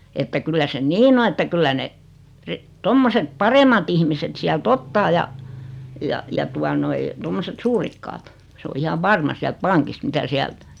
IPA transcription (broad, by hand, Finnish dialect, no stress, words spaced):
etːæ kylːæ se niːn o etːæ kylːæ ne ri tomːoset pɑremɑt ihmiset siælt otːɑː jɑ jɑ jɑ tuɑ noi tomːoset suːrikːɑːt s o ihɑʋ ʋɑrmɑ siælt pɑŋkist mitæ siælt